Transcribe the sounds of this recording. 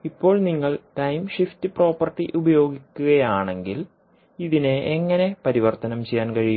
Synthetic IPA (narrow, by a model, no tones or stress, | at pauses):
ipːo̞ːɭniŋːɐɭʈɐjmʂift̪ipro̞ːpːɐrʈːiʔubɐjo̞ːɡikʲːuɣɐjaːɳe̞ŋɡil | iðineːŋːɐne̞pɐɾiʋɐrt̪ɐnɐmt͡ɕejːaːnkɐɻij